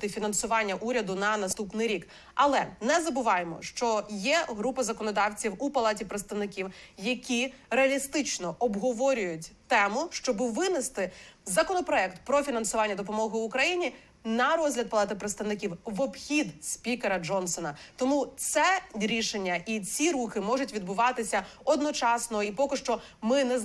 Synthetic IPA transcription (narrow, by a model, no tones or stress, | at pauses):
t̪ɪfʲinɐnsʊʋɑnʲːɐʔuɾʲɐd̪ʊnɐnɐst̪upnɪjɾʲik | ɐlˠɛnɛzɐbʊʋɑjemɔ̰ʃt͡ʃɔjɛɦɾupɐzɐkɔnɔd̪ɑwt͡sʲiwupɐlˠɑtʲipɾet̪st̪ɐʋnɪkʲiwjɐkʲi | ɾeɐlʲist̪ɪt͡ʃnɔʔɔbɦɔʋɔɾʲʊjʊtʲt̪ɛmʊʃt͡ʃɔbɪʋɪnɪst̪ɪzɐkɔnɔpɾɔɛkt̪pɾɔfʲinɐnsʊʋɑnʲːɐd̪ɔp̬ɔmɔɦʊːkɾɐjinʲi | nɐɾɔzʲlʲɐd̪̚pɐlˠɑt̪ɪpɾet̪st̪ɐʋnɪkʲiwʋɔbxʲid̪spʲikeɾɐd͡ʒɔnsɔnɐt̪ɔmut̪sɛɾʲiʃenʲːɐʔit͡sʲiɾuxɪmɔʒʊtʲʋʲid̪̚bʊʋɑt̪ɪsʲɐ | ɔd̪nɔt͡ʃɑsnɔipɔkɪʃt͡ʃɔ | mɪnɛ